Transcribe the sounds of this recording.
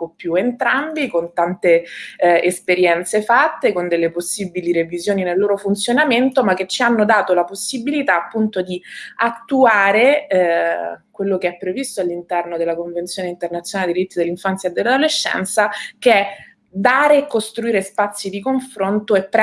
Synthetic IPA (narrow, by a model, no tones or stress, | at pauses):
opːjuent̪ɾambikont̪ant̪e | espeɾjɛnt̪sefat̪ːekond̪elːeposːibiliɾevizjoːninelːoːɾofunt̪sjonament̪omak̟ːet͡ʃːianːod̪aːt̪olaposːibilit̪aːpːunt̪od̪iat̪ːuaːɾe | kwelːokeɛpːɾevist̪oalːint̪ɛrnod̪elːakoɱvent̪sjoːneint̪ernat̪sjonaled̪id̪ɾit̪ːid̪elːiɱfant̪sjaed̪ːelːad̪oleʃːɛ̰nt̪sakeɛ | d̪aːɾeːkːost̪ɾuiːɾespat̪sːid̪ikoɱfɾont̪oepː